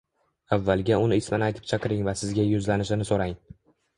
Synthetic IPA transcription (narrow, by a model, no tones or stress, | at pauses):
avːalˠɡʲaʊnɪɪsmɪnɪajt̪ʰɪ̥p̚t͡ʃʰɑqɨɾɪŋvasɪzɡʲajʊzlanɪʃɪnɪsoɾaŋ